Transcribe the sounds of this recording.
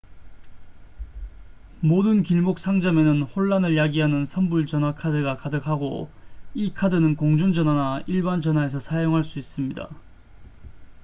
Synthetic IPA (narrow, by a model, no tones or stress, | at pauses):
modɯnkiɭmok̚s͈aŋd͡ʑʌme̞nɯnhoɭːanɯɭjaɡiɦanɯnsʰʌnbuɭt͡ɕʌnɦwakʰadɯɡakadɯkʰhaɡo̰ikʰadɯnɯnkoŋd͡ʑuŋd͡ʑʌnwanaiɭband͡ʑʌnɦae̞s̬ʰʌsʰajoŋɦaɭs͈uis͈ɯmɲida̰